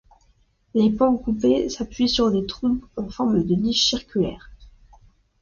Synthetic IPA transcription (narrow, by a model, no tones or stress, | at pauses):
lepɑ̃kupesapɥisyʁd̪et̪χupɑ̃fɔʁməd̪əniʃsiʁkʲylɛ̰ːʁ